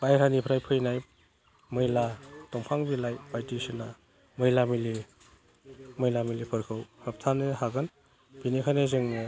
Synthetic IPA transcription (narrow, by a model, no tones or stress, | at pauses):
bajɾanipʰɾajpʰɯjnaj | mɯjlatɔŋpʰaŋbilajpajtisina | mɯjlamili | mɯjlamilipʰɯɾkʰɯwhɯp̚tʰanɯhaɡɯn | bʰinikʰanezɯŋ